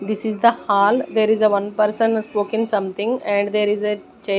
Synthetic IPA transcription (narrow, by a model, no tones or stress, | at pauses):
d̪ɪsizd̪əhaːld̪eːɾizəʋʌ̃npəɾsə̃nspoːkɪ̃ŋsʌ̃mt̪ʰɪ̃ŋɡɛ̃ɳɖd̪eːɾize | t͡ʃe